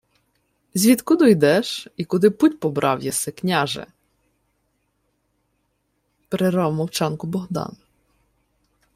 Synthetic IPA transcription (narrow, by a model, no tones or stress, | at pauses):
zʲʋʲid̪kʊd̪ɔjd̪ɛʃikʊd̪ɪputʲpɔbɾʔɑwjɛsɪknʲaʒɛ̰ | pɾɪɾɑwmɔwt͡ʃɑnkʊbɔɦd̪ɑ̰n